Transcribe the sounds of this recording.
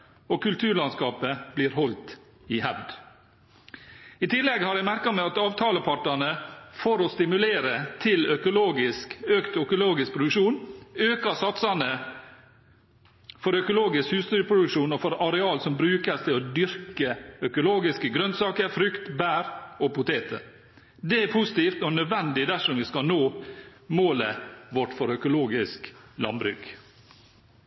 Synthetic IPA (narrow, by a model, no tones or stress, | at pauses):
okʰʉlt̪ʰʉːɾɭɑnskɑːpəb̥liːɾhɔlt̪ | ɪhæʋd̪ | ɪt̪ʰɪlːɛɡhɑːɾjæmæɾkɑmɛɑt̪ɑːʋt̪ʰɑːləpʰɑʈɑnəfoːɾɔst̪ɪmʉleːɾət̪ʰɪlœkʊloːɡɪskøːkt̪œkʊloːɡɪsk̚pʰɾʊd̪ʉkʂuːnøːkɑsɑt̪sɑnə | fɔɾœkʊloːɡɪskhʉːst̪yːɾəpʰɾʊd̪ʉkʃuːnɔfɔɾɑɾɛɑːlsɔmbɾʉːkəst̪ʰɪlɔd̪ʏɾkəœkʊloːɡɪskəɡɾœnsɑːkəɾfɾʏkt̪bæːɾɔpʊt̪ʰeːt̪ə̰ | d̪ɛæpʰʊsɪ̥t̪iːft̪ɔnœd̪ʋɛnd̪ɪd̪æʂɔmʋɪskɑnoːmoːləʋɔʈfɔɾœkʊloːɡɪsklɑ̰mbɾʏ̰ɡ